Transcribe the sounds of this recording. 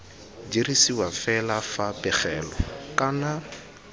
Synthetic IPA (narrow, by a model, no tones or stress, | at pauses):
d͡ʒiɾisiwafɛlafapʼɛχɛːlɔkʼana